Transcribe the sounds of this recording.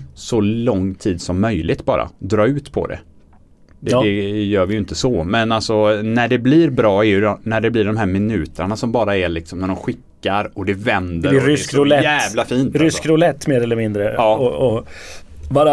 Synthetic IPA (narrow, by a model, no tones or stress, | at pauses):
sɔlɔŋːt̪ʰiːd̪sɔmːœjlɪt̪bɑ̰ːɾa̰d̪ɾɑːʉ̟ːt̪pʰɔ̰d̪ɛ̰ | d̪ɛɛjœːɾvɪjɵnt̪əsɔmɛnalsɔnæɖɛblɪɾbɾɑːɛjʉnæɖɛblɪɖɔmɦæːɾmɪnʉ̟ːt̪ʰəɳasɔmbɑːɾaɛlɪksɔmnæɖɔmɧɪkːaɾɔd̪ɛvɛnd̪əɾɾʏkɾʊlɛæːvvlafiːnt̪ɾʏskɾʊlɛt̪ːmeːɾɛlːəɾmɪnd̪ɾəɑːɔɔ | vaɾ